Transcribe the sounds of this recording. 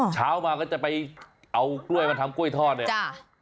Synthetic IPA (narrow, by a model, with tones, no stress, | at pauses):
t͡ɕʰaː˦˥wmaː˧kɔː˥˩t͡ɕa˨˩pa˧j | ʔa˧wklu˥˩əjma˧nt̪ʰmku˥˩əjt̪ʰɔː˥˩t̪̚ni˧˩a˥˩